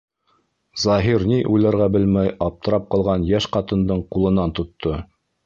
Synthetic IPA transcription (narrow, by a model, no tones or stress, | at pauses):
zɑɦiɾniʔujlˠɑɾʁæbɘlmæjɑp̚t̪ɤ̆ɾɑp̚qɑlˠʁɑnjæʃqɑt̪ɤ̆nd̪ɤɴqulˠɤ̆nɑnt̪ŏt̪ːo